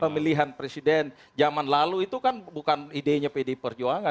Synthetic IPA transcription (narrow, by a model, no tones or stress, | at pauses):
pəmiliɦanpɾesidɛn | d͡ʒamanlaluit̪ukanbukanideɲapedepərd͡ʒuaŋa